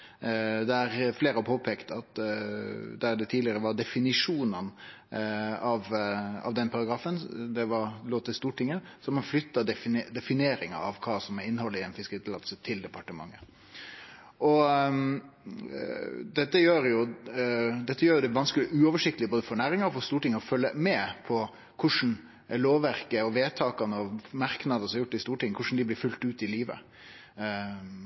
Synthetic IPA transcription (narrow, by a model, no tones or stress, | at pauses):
d̪ɛæɾfleːɾəɔpʰoːpʰeːkt̪ɑt̪ | d̪æɖ̪ɛt̪ʰiːd̪ɪəɾəʋɑɖ̪ɛfɪnɪʂuːnən | ɑʋɑ̰ʋd̪ɛnːpʰɑɾɑɡɾɑːfənd̪ɛʋɑɾloːt̪ʰɪlst̪uːʈɪŋːəsɔmɑnflʏt̪ːɑd̪ɛd̪ɛfɪneːɾɪŋɑ̰ɑ̰ʋkʰɑːsɔmɛɪnːhɔlːɪɛnfɪskəɾiːt̪ʰlɑ̰d̪sət̪ʰɪld̪ɛpʰɑʈəmɑ̰ŋːə | ʔɔ | d̪ɛt̪ːəjøːɾjʊ | d̪ɛt̪ːəjøːjʊd̪ɛʋɑnskəlɪʔʉːɔʋəʂɪk̚t̪əlɪboːd̪əfɔɳæːɾɪŋɑɔfɔst̪uːʈɪŋːəɔfœlːəmɛpʰɔ | kʰʊʂn̩ | loːʋæɾkəɔʋeːt̪ʰɑːkɑnəɔmɑɾknɑd̪əsɔmɑjʊʈːɪst̪uːʈɪŋːəkʰʊʂn̩d̪ɪblɪɾfʉlt̪ʉːt̪ɪliːʋə̰